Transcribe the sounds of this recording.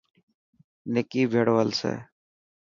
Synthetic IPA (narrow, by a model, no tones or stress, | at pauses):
nekiːbʱeːɽʋəlsḛː